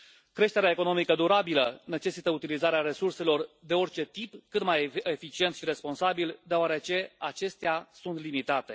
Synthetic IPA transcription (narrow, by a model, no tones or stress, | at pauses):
kɾe̞ʃt̪e̞ɾeaeko̞no̞mikəd̪uɾabiləne̞t͡ʃe̞sit̪əut̪ilizaɾeaɾe̞surse̞lo̞rd̪e̞o̞rʲt͡ʃe̞t̪ipkɨt̪majefit͡ʃient̪ʃiɾe̞spo̞nsabild̪eoaɾe̞t͡ʃe̞at͡ʃe̞st̪easunt̪limit̪at̪e̞